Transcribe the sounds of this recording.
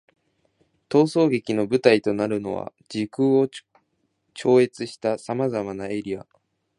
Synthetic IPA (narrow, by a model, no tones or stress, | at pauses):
t̪o̞ːso̞ːɡe̞kʲino̞bɯ̟t̪ait̪o̞naɾɯ̟no̞̰βa̰ | d͡ʑikɯ̟ːo | t͡ɕo̞ːe̞t͡sɨɕi̥t̪asamazamanae̞ɾʲia̰